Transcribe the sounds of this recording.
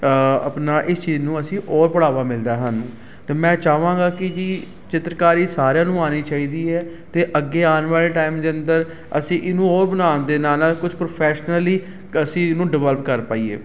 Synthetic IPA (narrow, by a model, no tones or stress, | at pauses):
əpnaːʔɪst͡ʃiːznũːəsĩːʔɔːɾpəɽaːʋaːmɪld̪aːɦaːnũː | t̪eːmɛ̃ːt͡ʃaːʋãːɡaːkɪd͡ʒiː | t͡ʃɪt̪ɾəkaːɾiːsaːɾjãːnũːaːniːt͡ʃaːiːd̪iːɛː | t̪eːʔəɡːeːaːnʋaːleːʈaːɪimd̪eːənd̪əɾ | ə̰sĩːʔɪnũːoːɾbənaːnd̪eːnaːnakʊd͡ʒpɾoːpʰɛːʃnəliː | əsĩːɪnũːɖɪʋələpkəɾpaːiːḛː